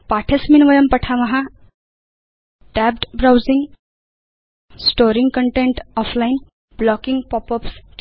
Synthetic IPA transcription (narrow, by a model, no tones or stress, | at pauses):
paʈʰesminʋʌjʌmpʌʈʰamʌɦa | ʈab̚ʈbɾawziŋ | sʈoɾiŋɡkʌɳʈeɳʈɔpʰlain | blɔkiŋɡpɔpʌpst͡ʃ